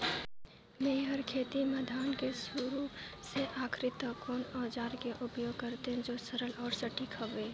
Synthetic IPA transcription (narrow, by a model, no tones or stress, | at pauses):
meɦəɾkʰeːt̪iməd̪ʱaːnkesuɾu | seʔaːkʰɾɪt̪əkoːnɔːd͡ʒaːɾkeʔʊpjoːɡ̚kəɾt̪eɦɛ̃d͡ʒoːsəɾəlɔːɾsəʈikʰəʋeː